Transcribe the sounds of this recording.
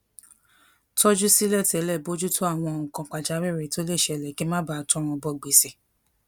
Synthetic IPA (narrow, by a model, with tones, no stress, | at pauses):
tɔ˦d͡ʒu˦si˦lɛ˦˨tɛ˨˦lɛ˦˨bo˦d͡ʒu˦tʰo˦a˦˨w̃ɔ̃˧˨ŋ̩˨kã˧k͡pa˨d͡ʒa˨˦wɛ˦˨ɾe˨˦to˦le˦˨ʃɛ˧˨lɛ˨ki˨˦mã˦ba˦˨tɔ̃˦ɾ̃ɔ̃˧bɔ˧˦˨ɡ͡be˨˦se˨